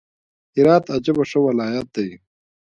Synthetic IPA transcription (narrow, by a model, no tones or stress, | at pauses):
iɾaːt̪ɐd͡ʑɐbɐʂɐwɐlaːjɐt̪̚d̪ɐj